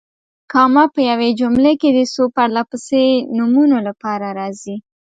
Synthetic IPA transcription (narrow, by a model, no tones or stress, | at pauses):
kɑmapəjawed͡ʒumleked̪əsopaɽlapəsenumunolapɑɾaɾɑzi